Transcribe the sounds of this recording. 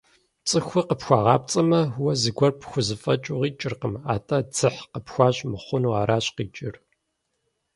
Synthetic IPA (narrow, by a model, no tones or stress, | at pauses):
t͡sʼɨxʷʊqəpxʷaːʁɑːp̚t͡sʼɐmɐwɐzɨɡʷɔrpxʷʊzɨfʼɐt͡ʃʼuʁiːt͡ʃʼɪrqəma̰ːtʼɐd͡zɨħqəpxʷaːɕmɨχʷʊnuaːɾaːɕqiːt͡ʃʼɪr